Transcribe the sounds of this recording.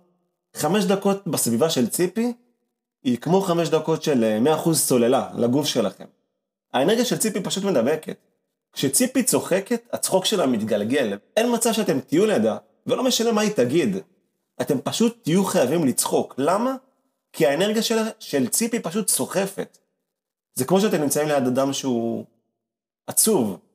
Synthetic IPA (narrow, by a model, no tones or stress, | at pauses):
χame̞ʃ̬dako̞t̚basvivaʃe̞lt͡sipi | ikmo̞χame̞ʃ̬dako̞tʃe̞lmeaːχuzso̞le̞lalaɡufʃe̞la̰χe̞̰m | aeneʁɡjaʃelt͡sipipaʃutme̞dabe̞ke̞̰t | kʃe̞t͡sipit͡so̞χe̞ke̞tat͡sχo̞kʃelamit̪ɡalɡe̞le̞nmat͡savʃeate̞mtijulejada | velo̞me̞ʃanemaitaɡid | ʔate̞mpaʃut̪ːijuχajavimlit͡sχo̞klama | kʰiaene̞ʁɡijaʃelaʃe̞lt͡sipipaʃ̬utt͡so̞χe̞fe̞̰t | zekmo̞ʃ̬eate̞mnimt͡saimlejadadamʃeu | at͡suv